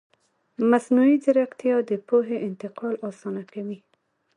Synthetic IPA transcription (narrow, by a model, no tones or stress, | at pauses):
masnuizaɾaqt̪jɑd̪əpoɦeʔɪnt̪ɪqɑlɑsɑnakawi